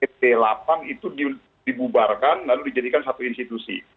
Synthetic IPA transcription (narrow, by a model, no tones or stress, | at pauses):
ɛpelapaŋit̪udi | dibubarkanlaludid͡ʒadikansat̪uinst̪it̪usḭ